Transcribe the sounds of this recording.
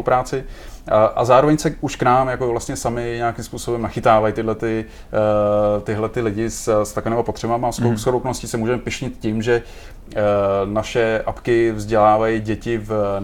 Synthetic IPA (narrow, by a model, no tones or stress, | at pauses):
pɾaːt͡sɪ | ʔazaːɾovɛɲsɛʔuʃknaːmjakovlast̪ɲɛsamɪɲeakɪmspuːso̞bɛmnaxɪt̪aːvajit̪ɪɦlɛt̪ɪ | t̪ɪɦlɛt̪ɪlɪɟɪsst̪akoviːmapot̪r̝̥ɛbamasoskoɾowkonoscɪsɛmuːʒɛmɛpɪʃɲɪt̪cimʒɛ | naʃɛʔapkɪvzɟɛlaːvajiɟɛcɪv